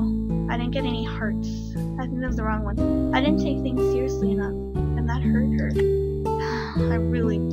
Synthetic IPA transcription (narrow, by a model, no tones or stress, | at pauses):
aɪɾɪdⁿn̩ɡ̥ɛɾɛnihɜ˞ts | aɪθɪ̃ŋk̚ðɨtwʌzðəɹɔ̃ŋwʌ̃naɪɾɪdⁿn̩tʰeɪk̚θɪ̃ŋz̥sɪɹiɨsliɨnʌf | ɨ̃nðɨt̚hɜ˞t̚hɜ˞t̚ | ãɪɹɪlˠi